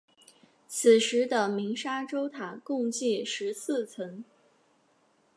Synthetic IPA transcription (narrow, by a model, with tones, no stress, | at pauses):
t͡s̩ʰ˨˩ʂɻ̩˧˥d̪ə˧mi˧˥ŋʂa˥ʈ͡ʂo˥ʊt̪ʰa˨˩kʊ˥˧ŋt͡ɕi˥˩ʂɻ̩˧˥s̩ʰ˥˩t͡sʰə˧˥ŋ